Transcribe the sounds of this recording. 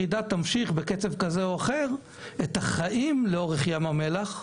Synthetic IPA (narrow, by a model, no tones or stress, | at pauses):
id̪at̪amʃiχbeket͡se̞vkazeoaχeʁ | et̪aχaʔimleo̞ʁeχjamame̞laχ